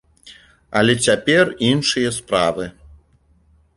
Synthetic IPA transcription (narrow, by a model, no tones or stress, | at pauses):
ɐlʲɛt͡sʲapʲɛrinʂɨjɐspɾavɨ